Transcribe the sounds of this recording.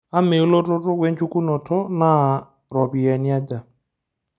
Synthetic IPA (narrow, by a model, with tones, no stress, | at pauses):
a˦me˨u˦lɔ˦tɔ˦tɔ˦wɛ˦n˦t͡ʃu˦ku˦nɔ˨tɔ˦na˦˨ | ɾɔ˨pi˨jɛ˨ni˦a˦da˨